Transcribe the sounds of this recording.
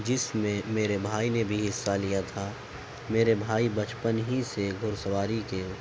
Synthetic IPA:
d͡ʒɪsmẽmeːɾebʱaːinebʱiɦɪsːalijat̪ʰa | meːɾebʱaːibət͡ʃpənɦiseɡʱʊɾsəʋaːɾike

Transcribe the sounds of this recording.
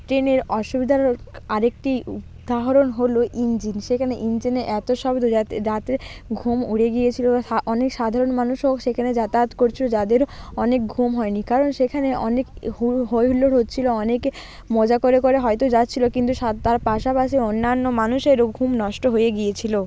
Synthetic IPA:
ʈɾeneɾɔʃubid̪ʱaɾaɾek̚ʈiu | d̪ʱaɦoɾonɦoloʔind͡ʑinʃekʰaneʔind͡ʑineʔɛt̪oʃɔbd̪oat̪eɾat̪eɾɡʱumuɽeɡijet͡ɕʰilobaaɔnekʃad̪ʱaɾonmanuʃɦokʃekʰaned͡ʑat̪at̪koɾt͡ɕʰilod͡ʑad̪eɾoɔnek̚ɡʱumɦɔenikaɾonʃekʰaneɔnekuɦojɦulːoɾɦotːt͡ɕʰiloɔneke | mod͡ʑakoɾekoɾeɦɔet̪od͡ʑatːt͡ɕʰilokint̪uʃat̪aɾpaʃapaʃ̬ionːanːomanuʃeɾoɡʱumnɔʃʈoɦojeɡijet͡ɕʰilo

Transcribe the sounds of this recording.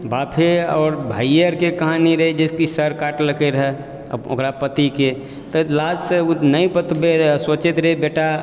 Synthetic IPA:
baːpʰeɔːɾbʱaːiəɾkekɐɦãniɾəɦed͡ʒeskisəɾkaːʈləkeɾəɦɛ̰ | o̰kɾapət̪ike | t̪ɔlaːd͡ʒseunəĩpət̪beswət͡ʃɪt̪ɾəɦebeːʈa

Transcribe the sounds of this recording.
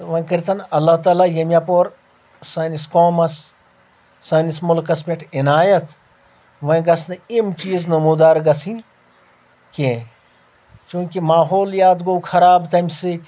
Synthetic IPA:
ʋɐ̃kəɾt̪ɐnɐlːat̪aːlajɐmʲjapoːɾ | sɐːniskoːmɐs | sɐːnismʊlkɐspʲeʈʰɪnaːjɐt̪ | ʋɐ̃j̃ɡɐsnɨimt͡ʃiːznɐmuːd̪aːɾɡɐsĩ | kẽ | t͡ʃũːkimaːɦoːljaːd̪ɡoːwkʰɐɾaːbt̪ɐmʲsi

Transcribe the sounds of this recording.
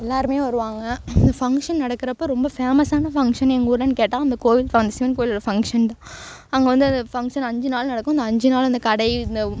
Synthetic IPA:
ɛlːaːɾɯmeːʋɐɾɯʋaːŋɡɐɪnd̪ɐfɐŋkʂɐnnɐɽɐkːɯɾɐpːoɾɔmbɐfeːmɐsaːnɐfɐŋkʂɐnɛŋɡuːɽɐnkeːʈːãːɪnd̪ɐkoːjɪlfaɐnd̪ɐsɪʋɐnkoːjɪlɔɽɐfɐŋkʂɐnt̪ãː | ɐŋɡɐʋɐnd̪ɯɐnd̪ɐfɐŋkʂɐnɐɲd͡ʒɯnaːlnɐɽɐkːʊ̃ɐnd̪ɐɐɲd͡ʒɯnaːlɐnd̪ɐkɐɽɐɪɪnd̪ɐ

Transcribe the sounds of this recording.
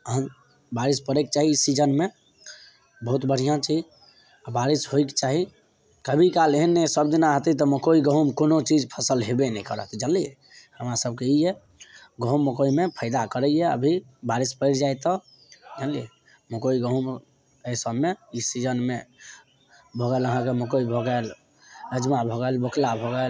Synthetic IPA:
əɦən | baɾispəɾek̚t͡ʃaɦiːsid͡ʒənme | bəɦut̪bəɽ̤ijãt͡ʃid͡ʒ | abaɾisɦojkt͡ʃaɦi | kəbʱikaleɦnːɛsəbd̪inaɦət̪it̪ɔməkoiɡəɦumkonot͡ʃid͡ʒpʰəsəlɦebenɛ̃ikə̰ɾə̰t̪ʰd͡ʒəliɛ | həmɾasəb̚keijɛ | ɡəɦumːəkoimepʰəɪd̪akəɾɛjɛə̰bʱi | baɾispəɪɾd͡ʒajt̪ɔ | d͡ʒəliɛ | məkoiɡəɦum | əsəbmeisid͡ʒənme | bʱɔɡɛləɦãkeməkoibʱɔɡəl | əd͡ʒmabʱɔɡɛlbəkʰlabʱɔɡəl

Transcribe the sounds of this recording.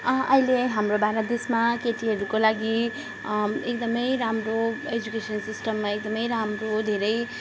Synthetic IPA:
ʌileɦamrobaɾad̪esmakeʈiɦʌɾukolaɡi | ek̚d̪ʌmʌjɾamroed͡ʒukesʌnsisʈʌmːaek̚d̪ʌmʌjɾamrod̪ʱeɾʌj

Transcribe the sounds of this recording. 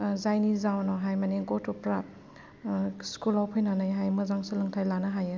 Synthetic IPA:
zajnizawnɔɦajmaneɡɔtʰɔpɾa | skulawpʰɯjnanajɦajmɯzaŋsuləŋtʰajlanɯɦajɯ

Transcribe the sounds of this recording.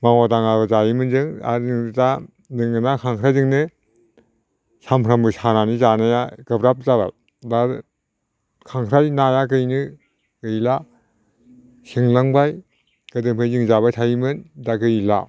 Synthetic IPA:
maŋadaŋaɡɯzajimɯnzɯŋa̰zɯŋda | zɯŋɯnakʰaŋkʰɾajzɯŋnɯ | sampʰɾambɯsananizanajaɡɯbɾap̚zaba̰j | da | kʰaŋkʰɾajnajaɡɯjnɯ | ɡɯjla | siŋlaŋbaj | ɡ̥ɯdɯŋpʰɯjzɯŋzabajtʰajimɯndaɡɯjila̰

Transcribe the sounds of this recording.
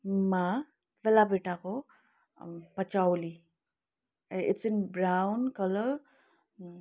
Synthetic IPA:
ma | ʋelabʱeʈako | pət͡ʃawli | ɪtsinbɾawnkʌlə

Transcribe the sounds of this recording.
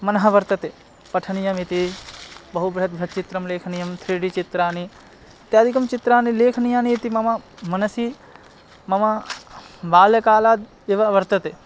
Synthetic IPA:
mɐnɦɐʋɐɾt̪ət̪e | pɐʈʰənijɐmit̪ibɐɦubɾɐt̪̚bʱɾɐt̪̚t͡ʃɪt̪ɾɐmleːkʰnijɐmt̪ʰɾeːɖit͡ʃɪt̪ɾaːni | t̪eɐd̪ʱikɐmt͡ʃɪt̪ɾaːnileːkʰnijãːnit̪imɐmamɐnəsiː | mɐma | baːlkaːlaːd̪ | eʋaʋɐɾt̪ɐt̪e

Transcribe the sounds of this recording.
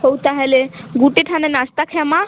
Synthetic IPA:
ɦowt̪aɦɛleɡuʈiʈʰãnenast̪akʰɛma

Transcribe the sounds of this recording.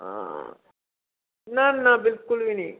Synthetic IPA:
a̰ | naːnːabɪlkulʋini

